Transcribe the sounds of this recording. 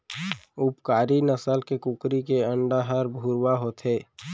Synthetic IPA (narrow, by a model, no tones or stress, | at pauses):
upkaːɾinəsəlkekukɾikeəɳɖaɦəɾbʱuɾwaɦot̪ɦeː